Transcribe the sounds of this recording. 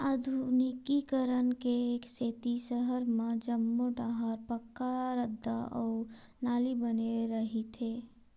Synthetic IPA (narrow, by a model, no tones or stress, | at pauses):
ad̪ʱunɪkikəɾənkeːkseːt̪isəɦəɾmẽd͡ʒəmːoɖaɦaːɾpəkːaɾəd̪ːa̰ɔːɾ | naːlibəneɾəɦit̪ʰeː